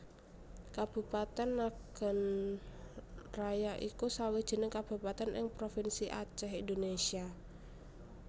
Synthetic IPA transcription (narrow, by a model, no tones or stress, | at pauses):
kab̥ṳpat̪ɛnːaɡ̥ə̤n | rajaʔikusawid̥ʒ̥ə̤nəŋkab̥ṳpat̪ɛnʔɪ̰ŋpɾofinsiʔa̰t͡ʃɛɦindonesia